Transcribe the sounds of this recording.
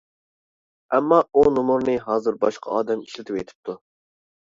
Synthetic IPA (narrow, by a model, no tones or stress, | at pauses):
ɛmːɑunumuɾnɨɦɑːzɨɾbɑʃqʰɑ̰ɑ̰ːd̪ɛmiʃlɪt̪ʰɪpḛjt̪ʰɪ̥p̚t̪ʰu